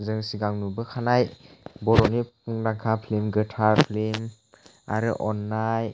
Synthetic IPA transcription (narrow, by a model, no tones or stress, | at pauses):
zɯŋsiɡaŋnubɯkʰanajbɔɾɔnipuŋnaŋkʰapʰlimɡɯtʰaɾpʰlim | a̰ɾɯʔɔnːaj